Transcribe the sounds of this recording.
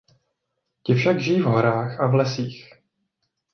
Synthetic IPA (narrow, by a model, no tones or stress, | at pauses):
cɪfʃaɡʒɪjiːvɦoɾaːxʔavlɛsiːx